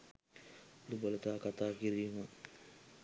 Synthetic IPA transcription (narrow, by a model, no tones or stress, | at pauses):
lubələt̪aːkat̪aːkiɾijma